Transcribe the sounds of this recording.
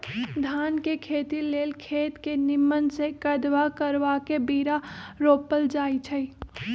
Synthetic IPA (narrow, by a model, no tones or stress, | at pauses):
d̪ʱaːnkekʰeːt̪ileːlkʰeːt̪kenɪmːənsekəd̪ʋakəɾʋakebiːɾaɾoːpəld͡ʒaːit͡ʃʰəi